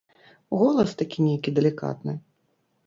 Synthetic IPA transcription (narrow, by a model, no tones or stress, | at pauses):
ɣɔlˠɐst̪akʲinʲejkʲid̪ɛlʲika̰t̪nɨ